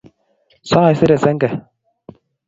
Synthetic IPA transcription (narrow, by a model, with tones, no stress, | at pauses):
sa˦˨i˦se˦ɾɛ˨sɛ˦ŋɡɛ˨